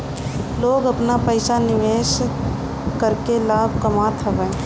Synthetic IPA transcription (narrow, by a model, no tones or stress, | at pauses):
loːɡɐpnapəɪsanɪʋeːʃ | kəɾkelaːbʱkəmaːt̪ʰəʋɛ̃